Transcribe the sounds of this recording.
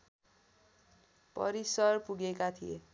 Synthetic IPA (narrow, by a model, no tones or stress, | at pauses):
pʌ̰ɾisʌrpuɡekat̪ʰie